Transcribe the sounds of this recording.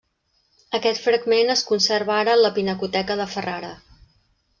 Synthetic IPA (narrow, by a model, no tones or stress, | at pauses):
əkɛt̪fɾəɡmenəskunsərβaɾələpinəkut̪ɛkəðəfəraɾə